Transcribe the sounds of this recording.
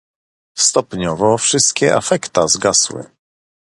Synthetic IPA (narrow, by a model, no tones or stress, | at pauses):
st̪ɔpɲɔvɔfʂɘst̪kʲɛʔa̰fɛkt̪azɡaswɘ̰